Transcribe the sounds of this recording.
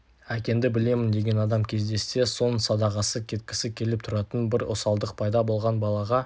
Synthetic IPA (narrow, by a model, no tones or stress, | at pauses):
ækʲe̞nd̪ɪbɪle̞mɪnd̪e̞ɡʲe̞nɑd̪ɑmkʲʰe̞zd̪e̞sːe̞so̞nsɑd̪ɑʁɑsəkʲʰe̞t̪̚kʲɪ̥sɪkʲʰe̞lɪp̚t̪ʰʊɾɑt̪ənbɪɾo̰sɑlˠd̪əq̚pʰɑjd̪ɑbo̞lˠʁɑnbɑlˠɑʁɑ